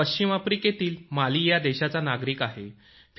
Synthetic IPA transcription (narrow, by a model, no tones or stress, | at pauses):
əɕt͡ɕimafɾiket̪iːlmaliːjad̪eɕat͡sanaɡɾiːkaɦe | f